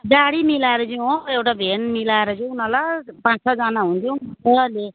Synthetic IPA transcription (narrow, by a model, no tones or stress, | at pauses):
daɽimilaeɾʌd͡ziewʈabʱenmilaeɾʌd͡ʒũunalapãt͡ssʌd͡zanaɦũnt͡sʰueʌle